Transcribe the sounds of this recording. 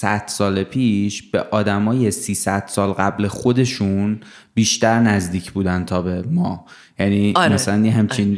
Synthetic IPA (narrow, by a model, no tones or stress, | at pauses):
sæd̪̥sɒːlepʰiːʃb̥eʔɒːd̪æmɒːjesiːsæd̪̥sɒːlɢæblexod̪e̞ʃun | biːʃt̪æɾnæzd̪iːcʰbuːd̪ænt̪ʰɒːbe̞mɒː | jæniːmæsælænjeɦæmt͡ʃʰin